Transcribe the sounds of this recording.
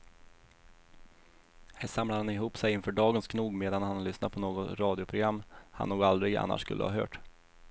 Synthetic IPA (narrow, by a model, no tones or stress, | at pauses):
hæːʂamlaɾhanɪɦuːpsɛjɪnfœːɖɑːɡənskʰnuːɡmeːd̪anhanlʏsnat̪̚pʰɔnoːɡɔt̪ɾɑːd̪ɪʊpʰɾʊɡɾamːhanːuːɡald̪ɾɪɡa̰nːa̰ʂkɵ̰lːə̰hɑ̰ːɦœ̰ːʈ